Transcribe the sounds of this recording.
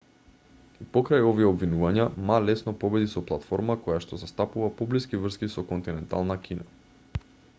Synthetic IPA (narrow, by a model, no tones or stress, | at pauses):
ipɔkɾajɔviɛɔbvinuvaɲamalɛsnɔpɔbɛd̪isɔplˠat̪fɔɾmakɔjaʃt̪ɔzast̪apuvapɔbliskivr̩skisɔkɔnt̪inɛnt̪a̰lˠnakʲʰina